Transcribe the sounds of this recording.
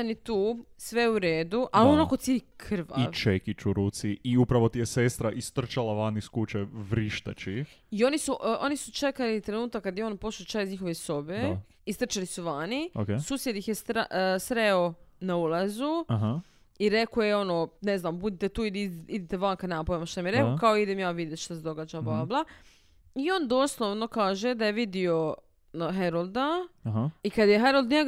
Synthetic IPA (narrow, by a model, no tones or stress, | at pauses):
anit̪uːsʋeuɾeːd̪uʔalonakot̪silikʰr̩ʋa̰it͡ʃekit͡ʃuɾuːt̪siiupɾaʋot̪ijesest̪ɾaʔist̪r̩ɾ̩t͡ʃalˠaʋaniskut͡ʃeʋɾiʃt̪a̰t͡ʃi | io̞nisuʔʔo̞nisut͡ʃe̞kalit̪ɾe̞nuːt̪akːad̪jeo̞ːnpo̞sut͡ʃaizɲixo̞ʋesobe | ist̪r̩t͡ʃalisuʋaniokesuːsjed̪ixjest̪ɾasɾeonaulazuɦ | iɾekojeo̞noːneznaːmbud̪it̪et̪uːilid̪it̪eʋaŋkanaapoimaʃt̪amjeɾekokaoid̪emjaːʋid̪et̪ʃt̪ased̪o̞ɡaːd͡ʒablablˠa | io̞ːnd̪oːslˠoʋno̞kaːʒed̪ajeʋid̪io̞ | ɦeɾolˠd̪aɦikad̪jeɦeɾolˠd̪ɲe